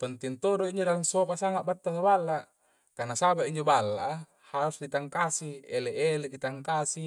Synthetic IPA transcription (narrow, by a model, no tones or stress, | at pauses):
t̪ont̪int̪oɾuiɲd͡ʒodalansopasaŋaʔbat̪ːasabalːa | kanasabaʔiɲd͡ʒobalːa̰ʔ | haɾusdit̪aŋkasieleʔeledit̪aŋkasi